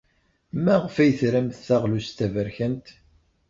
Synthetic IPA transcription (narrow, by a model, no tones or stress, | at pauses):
mæʁfæjəθɾæmθːæʁlust̪ævəɾçənt̪